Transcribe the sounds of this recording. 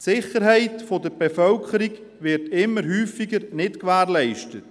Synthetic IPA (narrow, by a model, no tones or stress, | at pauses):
tsɪχəɾɦɛɪtfodəɾb̥efœlkʰəɾiɡ | ʋɪɾtɪmːəɾɦyːfiɡəɾnɪtkʋæːɾlɛɪʃtət